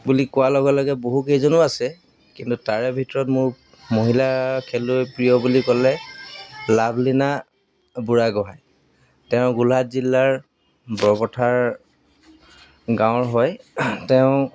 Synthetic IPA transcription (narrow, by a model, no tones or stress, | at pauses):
bulikʊwalɔɡɛlɔɡɛboɦukejzɔnʊasɛ | kintutaɹɛbʱitɔɹɔtmʊɹ | moɦilakʰelʊepɹijɔbulikɔlɛ | lablina | buɹaɡɔɦaj | tɛʊ̃ɡulatzilːaɹ | bɔbɔtʰaɹ | ɡãw̃ɹɦɔjtɛʊ̃